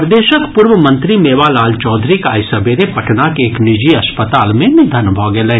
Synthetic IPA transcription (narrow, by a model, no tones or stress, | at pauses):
ɾd̪eːʃəkpʊɾʋəmɐ̃nt̪ɾimeːʋaːlaːlt͡ʃɔːd̪ʱɾikaːjsɐbʱeɾepɐʈnakeːknɪd͡ʒiɐspət̪aːlmẽnɪd̪ʱənbʱɔːɡelẽ